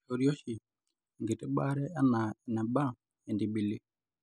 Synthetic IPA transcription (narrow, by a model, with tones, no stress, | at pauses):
ɔ˨ɾjɔ˦ʃi˨ | ŋɡi˨tɛ˦ɓa˦ɾɛ˦a˦na˨ɛ˨na˨ba˦ | ɛ˨ndi˨ɓi˨li˦